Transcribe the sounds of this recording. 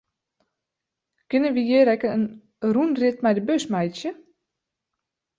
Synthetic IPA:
kɪnənʋijeːɾɛkəən | runrɪtmɛjdəbøsmɛjsjə

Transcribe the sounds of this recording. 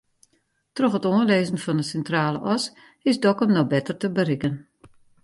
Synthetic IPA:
trɔxətoənleːzən̩fɔndəsɛntraːlə̰ʔɔs | ɪsdɔkəmnɔbɛtərtəbəɾɪkən

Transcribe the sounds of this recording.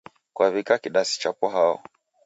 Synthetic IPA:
kwaβikakiɗasi̥t͡ʃapɔɦaɔ̰

